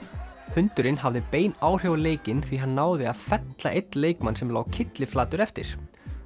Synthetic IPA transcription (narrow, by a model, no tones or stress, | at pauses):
hʏnt̪ʏɾɪnhavðɪpeːjnaːwr̥jowleːjcɪnθiɦanːaːwðɪaðfɛt̪laʔejt̪nleːjkmansɛmlaːwcʰɪt̪lɪflaːt̪ʏɾɛft̪ɪ̰ɾ̥